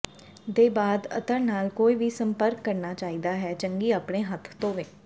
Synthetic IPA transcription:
d̪eːbaːd̪ə̰t̪əɾnaːlkoːiːʋiːsəmpəɾkːəɾnaːt͡ʃaːiːd̪aːɦɛːt͡ʃəŋɡiːaːpɳeːɦət̪ʰt̪õːʋeː

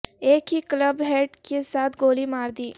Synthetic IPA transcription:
eːkɦiːkləbɦɛːɖkesaːt̪ʰɡoːlimaːɾd̪iː

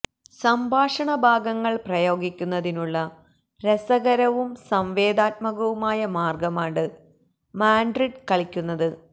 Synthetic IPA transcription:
sɐmbʱaːʂɐɳɐbʱaːɡɐŋːɐɭprɐjo̞ːɡikʲːunːɐðinuɭːɐ | ɾesɐɣɐɾɐʋumsɐmʋeːd̪aːt̪̚mɐɣɐʋumaːjɐmaːrɡɐmaːɖɨ | maːɳɖriɖkɐɭikʲːunːɐðɨ

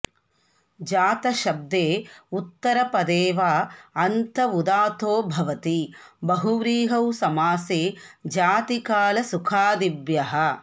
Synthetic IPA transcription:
d͡ʒaːt̪ɐʃɐb̚d̪eːut̪ːɐɾɐpɐd̪eːʋaːɐnt̪ɐʋud̪aːt̪oːbʱɐʋɐt̪ibɐɦuʋɾiːɦɐwsɐmaːseːd͡ʒaːt̪ikaːlɐsukʰaːd̪ibjɐɦɐ

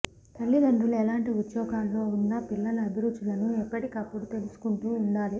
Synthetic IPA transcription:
t̪ɐlːid̪ɐɳɖuluɛlaːɳʈiut̪ːjɔːɡaːllo̞ːunːɐpilːɐlɐːd̪uɾut͡ʃulɐnuɛpːɐʈikɐpːuɽut̪e̞lusu̥kuɳʈuːuɳɖaːli

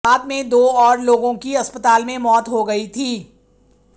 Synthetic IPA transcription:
aːd̪mẽd̪oːɔːɾloːɡõkiɐspət̪aːlmẽmɔːt̪ɦoɡɐit̪ʰiː

